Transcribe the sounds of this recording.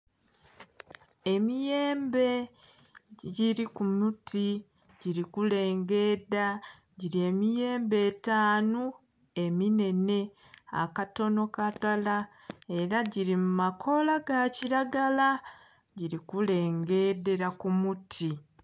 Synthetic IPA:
e̞mije̞ːmbe̞ | ɟiɾikumuti | ɟiɾikule̞ːŋɡe̞da | ɟiɾie̞mije̞ːmbe̞taːnu | e̞mine̞ne̞ | a̰kato̞no̞katala | e̞ɾaɟiɾimumakʰo̞laɡaciɾaɡala | ɟiɾikule̞ːŋɡe̞de̞ɾakumutʰi

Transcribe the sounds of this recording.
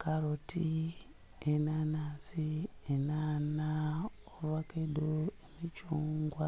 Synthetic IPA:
kaɾoti | enanaːsienaːna | olwakedoemit͡ʃuːŋɡwa

